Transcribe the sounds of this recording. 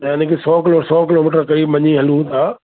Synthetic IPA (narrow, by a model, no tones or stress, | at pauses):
ɪnkʰesɔːkɪlosɔːkɪloːmiːʈ̬əɾkɐɾiːbʋɐɲiɦɐlũt̪ʰaː